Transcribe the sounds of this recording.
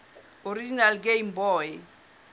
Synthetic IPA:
oɾid͡ʒinalɡeimbɔːɛ

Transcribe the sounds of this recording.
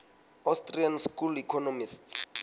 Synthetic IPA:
astʼrianskulikʰɔnomists

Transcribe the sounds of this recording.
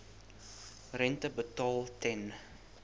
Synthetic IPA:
rɛntəbətɑːlˠtɛn

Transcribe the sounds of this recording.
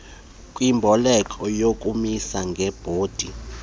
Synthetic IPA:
kʼwimbʱɔlɛkʼɔjokʼumisaŋɡʱɛb̥ʱoːd̥ʱi

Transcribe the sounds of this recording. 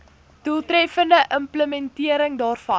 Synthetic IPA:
tuəlˠtrɛfəndəʔəmpləmɛntiəɾəŋdɑːrfɐ

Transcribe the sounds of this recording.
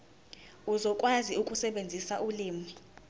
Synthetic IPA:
uzɔkʼwaziukʼusɛɓend͡zʱisaʔuliːmi

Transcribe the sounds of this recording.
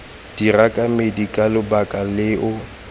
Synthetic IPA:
d̥irakʼamedikʼalɪbakʼalɪʔʊ

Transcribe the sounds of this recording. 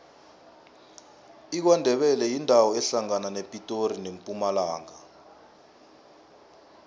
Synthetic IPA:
ik̬wandʱɛɓɛlɛjindʱawɔɛɬaŋananepʼitʼorinempʼumalaːŋa

